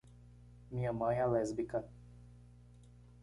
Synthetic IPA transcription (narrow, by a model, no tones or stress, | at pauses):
mĩɲɐmɐ̃alɛzbikɐ